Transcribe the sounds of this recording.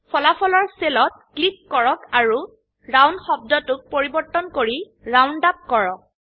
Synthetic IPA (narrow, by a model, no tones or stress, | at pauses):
pʰɔlapʰɔlɔɹselɔt̚klip̚kɔɹɔkaɹu | ɹawnxɔb̚dɔtʊk̚poɹibɔɹtɔnkoɹi | ɹawndap̚kɔɹɔk̚